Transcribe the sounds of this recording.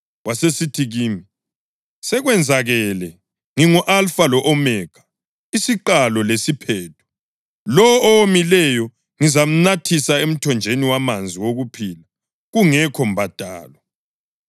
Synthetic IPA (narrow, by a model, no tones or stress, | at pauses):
wasesitʰiɣiːmi | sɛɣwɛnd͡zʱaɣɛlɛ | ŋiŋɔʔalfalɔʔɔmɛːɡ̥ʰʱḁ | isiǃalɔlesipʰɛːtʰu̥ | lɔɔwomilɛjɔ | ŋizam̩natʰisaem̩tʰɔnd͡ʒʱeniwamand͡zʱiwoɣupʰiːla | ɣuŋɛkʰɔm̩bʱad̥ʱa̰ːlwa